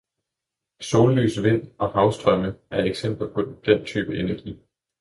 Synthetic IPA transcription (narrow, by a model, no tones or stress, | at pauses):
so̝ːlly̰ːsʋe̝n̰ɒ̽hɑ̈ʊsd̥ʁɶməæɐeɡ̥sem̰b̥l̩pʰond̥en̰t͡sʰyːb̥əenæɐɡ̥ḭː